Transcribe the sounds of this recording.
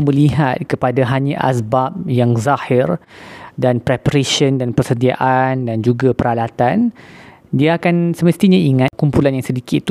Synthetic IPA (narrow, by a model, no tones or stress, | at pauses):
məliɦat̪̚kəpadaɦaɲãʔa̰sbap̚jaŋzahɪrdanpɾɛpəɾeʃəndanpərsədia̰ʔandand͡ʒuɡapəɾalat̪an | diaakansəməst̪iɲaiŋãt̪̚kumpulanjaŋsədikɪt̪ː